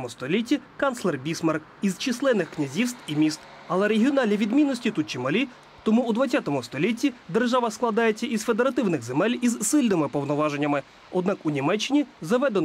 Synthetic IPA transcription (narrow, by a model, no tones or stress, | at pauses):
mʊst̪ɔlʲitʲːikɑnslˠɛrbʲismɑrk | izt͡ʃislˠɛnɪxknʲɐzʲist̪imʲist̪ | ɐlˠɛɾeɦʲiɔnɑlʲnʲiʋʲid̪mʲinːɔsʲtʲit̪ut̪̚t͡ʃimɐlʲi | t̪ɔmuːd̪ʋɐt͡sʲːɑt̪ɔmʊst̪ɔlʲitʲːid̪erʒɑʋɐsklˠɐd̪ɑjet͡sʲːɐʔizfe̞d̪eɾɐt̪ɪwnɪɣzemɛlʲizsɪlʲnɪmɪpɔwnɔʋɑʒenʲːɐmɪ | ɔd̪̚nɑkunʲimɛt͡ʃːɪnʲizɐʋɛd̪en